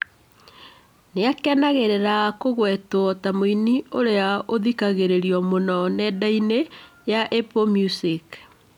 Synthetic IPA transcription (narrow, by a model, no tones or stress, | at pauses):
neakɛnaɣeɾeɾakoɣwɛtwɔtamoinioɾeaoðikaɣeɾeɾiɔmonɔnɛdaine | jaʔepomjusik